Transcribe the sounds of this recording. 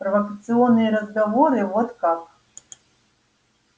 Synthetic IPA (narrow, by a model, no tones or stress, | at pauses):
pɾɐvɐkɐt̪sɨɔnːɨjɐɾɐzɡavɔɾɨvɔt̪kak